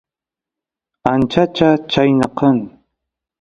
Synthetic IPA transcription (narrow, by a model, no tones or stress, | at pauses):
ant͡ʃat͡ʃat͡ʃajnɑqɑŋ